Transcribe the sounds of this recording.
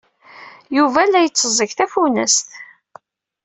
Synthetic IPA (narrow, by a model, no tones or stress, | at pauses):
juvælːæjət͡sːəzˤəkθæfunæ̰st̪